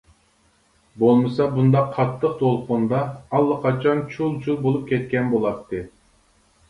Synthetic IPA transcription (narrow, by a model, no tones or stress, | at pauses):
bolˠmɨsɑbund̪ɑqʰːɑt̪ʰːəqt̪ʰolˠqʊnd̪ɑɑlˠːəqʰɑt͡ʃʰɑnt͡ʃʰulˠt͡ʃʰulˠbolˠup̚kʲɛt̪̚kʲɛnbolˠɑp̚t̪ʰːɨ